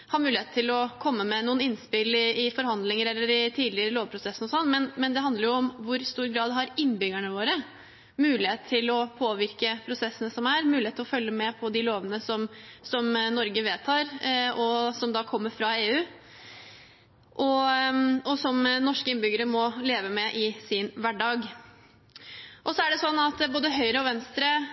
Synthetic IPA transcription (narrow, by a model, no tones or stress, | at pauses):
hɑɾmʉːlɪeːt̪ʰːɪlɔkʰɔmːəmɛnuːənɪnːspɪlɪɪfɔɾɦɑnd̪lɪŋəɾɛlːəɾɪt̪ʰiːd̪lɪəɾəloːʋpʰɾʊsɛsnɔsɔnːmɛnmɛnd̪ɛɦɑnd̪ləɾjʊɔmʋʊɾst̪uːɾɡɾɑːd̪ɦɑɾɪnːbʏɡæɳəʋoːɾə | mʉːlɪheːt̪t̪ʰɪlɔpʰoːʋɪɾkəpʰɾʊsɛsːənəsɔmæɾmʉːlɪhet̪ːɪɔfœljːəmɛpʰɔd̪ɪloːʋənəsɔmsɔmnɔɾɡəʋeːt̪ʰɑːɾɔsɔmd̪ɑːkʰɔmːəɾfɾɑeːʉː | ʔɔ | ɔsɔmnɔʂkəɪnbʏɡəɾəmɔleːʋəmɛʔɪsɪnʋæɖɑːɡ | ʔɔsɔæɖɛsɔnːɑt̪boːd̪əɦœʏɾəɔʋɛnst̪ɾə